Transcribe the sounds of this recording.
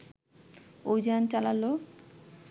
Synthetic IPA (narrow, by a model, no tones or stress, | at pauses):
oid͡ʑant͡ɕalalo